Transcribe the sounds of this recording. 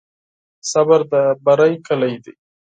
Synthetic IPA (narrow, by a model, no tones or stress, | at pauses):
sabaɾd̪əbaɾajkəlajd̪i